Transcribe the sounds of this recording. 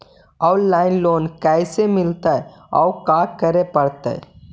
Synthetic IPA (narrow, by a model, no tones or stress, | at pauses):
ɔwlaːɪnloːnkajsemɪlt̪aeɔ̰wkaːkɐɾepɐɽt̪a̰ḛ